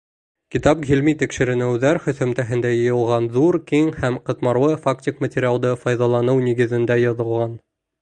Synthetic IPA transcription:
kʲit̪ɑpʁʲilmit̪ikʃɘ̆ɾɘ̆nɘ̆wðæɾχɵ̆θɵ̆mt̪æɦɘ̆nd̪æjɤ̆jɤ̆lˠʁɑnðuɾkiŋhæmqɤ̆t̪mɑɾwɤfaktʲɪkmətʲɪɾʲɪalˠd̪ɤfɑjðɑlˠɑnɤwniɡɘ̆ðɘ̆nd̪æjɒðɤ̆lˠʁɑn

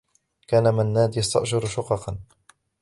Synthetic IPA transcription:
kaːnamanːaːd̪jast̪a̰ʔʃʊɾʃʊqɑqɑn

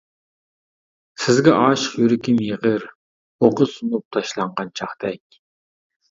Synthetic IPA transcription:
sɪzɡʲɛʔɑːʃəχjyɾɪkʲɪnjeʁəɾ | oʁəsunup̚t̪ʰɑʃlˠɑɴʁɑnt͡ʃʰɑχd̪ɛkʲ

